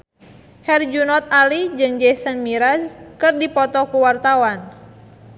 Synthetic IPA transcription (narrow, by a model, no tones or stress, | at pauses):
hɛrd͡ʒunɔt̪̚alid͡ʒɨŋd͡ʒɛsənmiɾaskɨrdipɔt̪ɔkuwart̪awan